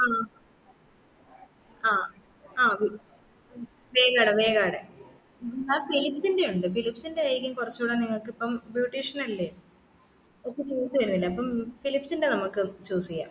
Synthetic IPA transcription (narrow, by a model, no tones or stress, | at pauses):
aː | aː | aːʋi | ʋeːɣaːɽeʋe̞ːɣaːɽe | aːfilipsinde̞juɳɖɨfilipsinde̞aːjɾikʲːumkurɐt͡ɕːuːɽɐniŋːɐɭkːɨipːɐmbjuːʈːiːʂɐnɐlːe | okːet͡ɕoːsːɨʋɐɾunːilːɐːpːɐmfilipsinde̞nɐmukːɨt͡ɕoːsikʲːa̰ː